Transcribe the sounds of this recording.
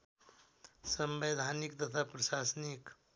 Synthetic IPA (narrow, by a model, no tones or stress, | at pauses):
səmbed̪ʱanikt̪ət̪ʰapɾəʃasnik